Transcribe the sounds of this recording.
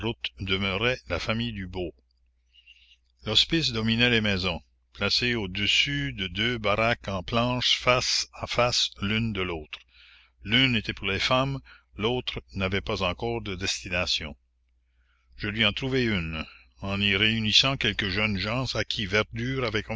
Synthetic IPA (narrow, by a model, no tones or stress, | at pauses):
ɾut̪d̪əmøʁɛlafamijd̪ybo | lɔspis̬d̪ɔminɛlemɛːzɔ̃ | plaseod̪əsyd̪əd̪øːbaɾakɑ̃plɑ̃ːʃfasafaslynd̪əloːt̪ɾ | lynet̪ɛpuʁlefamloːt̪ɾənavɛpazɑ̃kɔːʁd̪əd̪ɛst̪inasjɔ̰̃ | ʒəlɥiɑ̃t̪ɾuvɛyn | ɑ̃niʁeynisɑ̃kɛlkəʒœnʒɑ̃sakʲʰivɛʁd̪yːɾavɛkɔ̃